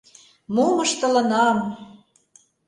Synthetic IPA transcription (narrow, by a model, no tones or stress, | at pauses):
moməʃt̪ə̆lə̆nɑm